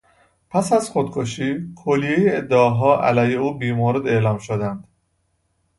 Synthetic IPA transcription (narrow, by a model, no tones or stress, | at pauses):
pʰæsæzxod̪kʰoʃiːkʰolije̞jeed̪ːeɒɦɒːʔæ̰læːjheuːbiːmoːɾe̞d̪e̞ʔlɒːmʃod̪ænd̪̥